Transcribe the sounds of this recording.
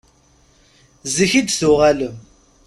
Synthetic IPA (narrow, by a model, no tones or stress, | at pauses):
zəçid̪θuʁæləm